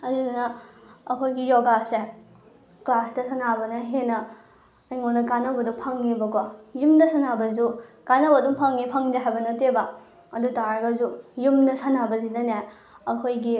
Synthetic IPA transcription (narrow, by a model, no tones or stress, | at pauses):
ɐzunɐːkʰojɡijɔɡase | klasdɐsʰɐnabɐnɐɦenɐː | jmonɐkanɐbɐduŋpʰɐŋːibɐkojumdɐsɐnabɐzukanɐbɐduŋpʰɐŋːipʰɐŋdeɦajbɐnɐteba | ɐdutaɾɐɡɐzujumdɐsanabɐzinɐniɦaj | ɐkʰojɡi